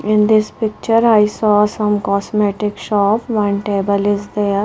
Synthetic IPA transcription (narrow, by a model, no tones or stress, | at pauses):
ɪ̃nd̪ɪspɪk̚t͡ʃəɾaːɪsɔːsə̃mkɔːsmɛʈɪkʃɔːpʋʌ̃nʈeːbəlɪzd̪e